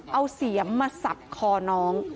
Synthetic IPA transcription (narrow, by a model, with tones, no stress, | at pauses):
ʔa˧wsi˨˩˦əmːaː˧sa˨˩p̚kʰɔː˧nɔː˦˥ŋ